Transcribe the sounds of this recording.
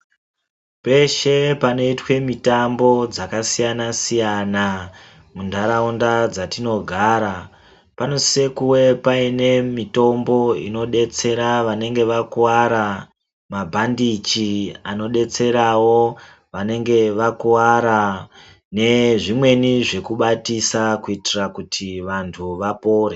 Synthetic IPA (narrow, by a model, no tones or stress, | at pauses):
pe̞ʃe̞pano̞itwe̞mitambo̞d͡zakasijanasijana | mundʱaɾaundad͡zatino̞ɡʱaːɾa | panosekuwe̞paine̞mito̞mbo̞ḭno̞ɗe̞t͡se̞ɾaʋane̞ŋɡe̞ʋakuwaɾa | mabʱandit͡ʃiano̞ɗe̞t͡se̞ɾawo̞ | ʋane̞ŋɡe̞ʋakuwaɾa | ne̞ʐimwe̞niʐe̞kuɓatisakuitirakutʰiʋantʰuʋapo̞ːɾe